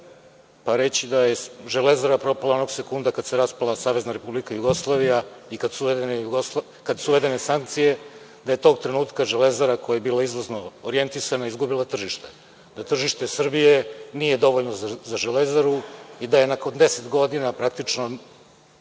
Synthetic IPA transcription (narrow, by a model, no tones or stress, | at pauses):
paɾet͡ɕid̪ajeʒelezaɾapɾo̞palˠao̞no̞ɡsekund̪akad̪seɾaspalˠasaːʋe̞znaɾe̞publikajuɡo̞slˠaʋijaikad̪suʋed̪enejuɡosa | kad̪suʋe̞d̪e̞nesaŋk̚t̪sije̞ | d̪aje̞t̪o̞ːɡt̪ɾenuːt̪kaʒelezaɾako̞jajebiːlaizʋoznoːoɾije̞nt̪isanaizɡubilˠat̪r̩ʒiʃt̪e | d̪at̪r̩ʒiʃt̪e̞sr̩bijenije̞d̪o̞ʋoʎnozaʒelezaɾuid̪aje̞nako̞nd̪e̞set̪ɡo̞d̪inapɾak̚t̪it͡ʂno